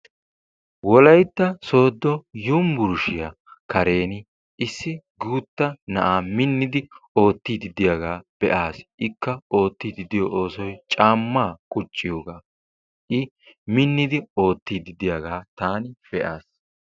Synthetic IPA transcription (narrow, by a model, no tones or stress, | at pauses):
wɔlɐjt̪ːɐso̞ːd̪ːɔjʊmbʊɾʊʃɪjɐ | kɐɾe̞ːnɪ | ɪsːɪ | ɡuːt̪ːɐnɐʔaːmɪnːɪd̪ɪo̞ːt̪ːiːd̪ɪd̪ɪjɐɡaːb̥ɛʔaːsʔɪkːɐo̞ːt̪ːiːd̪ɪd̪ɪjɔʔo̞ːsɔjt͡ʃʼaːmːaːkʼʊt͡ʃʼːɪjoːɡaː | ʔɪ | mɪnːɪd̪ɪo̞ːt̪ːiːd̪ɪd̪ɪjaːɡaːt̪aːnɪfɛʔaːs